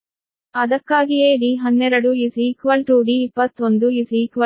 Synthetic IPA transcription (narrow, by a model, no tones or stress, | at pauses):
ɐd̪ɐkːaːɡijeːɖiːɦɐnːɛɾɐɽuisikʋɐlʈuːɖiːpːɐt̪ːond̪uisikʋɐ